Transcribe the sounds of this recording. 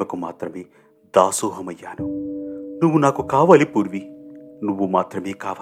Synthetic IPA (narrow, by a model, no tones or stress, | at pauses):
ɐkuma̰ːt̪ɾɐmeː | d̪aːsuːɦɐmɐjːaːnunuʋːunaːkukaːʋaːlipuːɾʋinuʋːumaːt̪ɾɐmeːkaːʋaː